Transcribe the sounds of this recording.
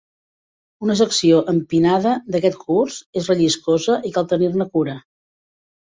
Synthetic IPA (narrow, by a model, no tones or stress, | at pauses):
unəs̬əksioʔəmpinaðəd̪əkɛt̪kʰurzezrəʎiskozəʔikalˠt̪ənirnəkuɾə